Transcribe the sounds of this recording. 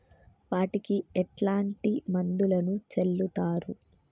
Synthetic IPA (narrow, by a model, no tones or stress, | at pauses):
ʋaːʈikiɛʈlaːɳʈimɐnd̪ulɐnut͡ʃelːut̪aːɾu